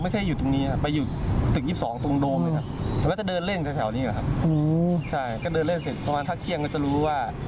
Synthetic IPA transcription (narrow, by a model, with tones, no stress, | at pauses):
ma˥˩jkʰa˥˩juː˨˩t̪o˧ŋniː˦˥kʰa˦˩ppa˧jːuː˨˩t̪ɯ˨˩k̚jiː˥˩psɔː˩˦ŋt̪o˧ŋdoː˧ma˥˩kʰa˦˥p̪̚ɛ˨˩˦kɔː˥˩t͡ɕa˨˩dɤː˧nle˥˩nkʰa˧k̪ʰːwniː˦˥la̰˨˩kʰa˦˥p̚ʔo˧t͡ɕʰa˥˩jkɔː˥˩dɤː˧nle˥˩nse˨˩t̪̚pʰɾa˧maː˧ntʰa˦˥˩kt̪ʰi˥˩əŋkɔː˥˩t͡ɕa˨˩ɾuː˦˥waː˥˩